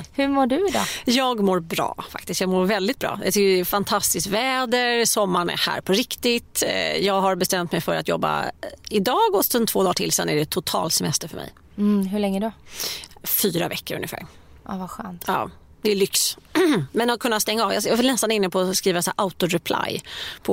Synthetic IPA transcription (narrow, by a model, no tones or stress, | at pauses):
hɵmoːɖɵɪd̪ɑ̰ːjɑːɡmoːɾbɾɑ̰ːfa̰k̚t̪ɪst̪jɑːɡmoːɾvɛld̪ɪt̪bɾɑ̰ːjʔt̪ʏkːəɛfant̪ʰast̪ɪsk̪vɛːd̪əɾsɔmːaɳɛ̰hæ̰ːɾpʰɔɾɪkt̪ɪt̪jɑːɡɦaɾbɛst̪ɛmt̪mɛjfœɾat̪jɔ̰bːa̰ɪd̪ɑːɡɔsɔnt̪ʰvoːd̪ɑːʈʰɪlsɛnːæɖɛt̪ʰːʊt̪ʰɑ̰ːlsɛmɛst̪əɾfœɾmɛ̰j̩ | ɦɵɭɛŋːəɖɔ | fyːɾa̰vɛkːəɾɵ̰njɪfæ̰ːɾ | ʔavaɧœːnt̪ɑ̰ː | d̪ɛːlʏks | mɛnɔkʰɵnːast̪ɛŋːaɑːvjɑjɪlnɛst̪anɪnːəpʰɔskɾiːvasːɾʔaʊt̪ʊɾɛpʰlʔa̰jpʰɔ